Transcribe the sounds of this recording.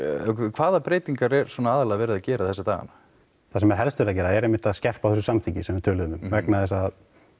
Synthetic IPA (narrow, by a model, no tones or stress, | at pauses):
kʰv̥aːðapɾeːjt̪iŋkaɾɛɾ̥sɔnaaːðalaavɛːɾɪðacɛːɾaðθɛsːat̪a̰ːɣa̰na | θasɛmɛɾ̥ɦɛlst̪ɪɾacɛːɾaɛɾejmːɪht̪aðscɛr̥pawθɛs̬ʏsamt̪ʰicɪsɛmːɛɾt̪ʰœːlʏðʏnʏmvɛknaðɛsað